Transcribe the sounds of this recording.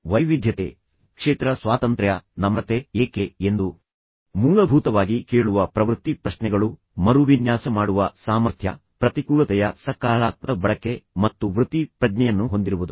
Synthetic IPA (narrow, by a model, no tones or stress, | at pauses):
ʋɐjʋid̪ʱjɐt̪ḛː | kʂeːt̪ɾɐsʋaːt̪ɐnt̪ɾjɐnɐmɐt̪eeːkeend̪u | muːlɐbʱuːt̪ɐʋaːɡikeːɭuʋɐpɾɐʋɾut̪ːipɾɐʃnɛɡɐɭu | mɐɾuʋinjaːsɐmaːɽuʋɐsaːmɐɾt̪ʰjɐ̰ | pɾɐt̪ikuːɭɐt̪ɛjɐsɐkaːɭaːt̪̚ɐbɐɭɐkːe̞mɐt̪ːuʋɾut̪ipɾɐd͡ʒnɛjɐnːuɦo̞nd̪iɾuʋud̪u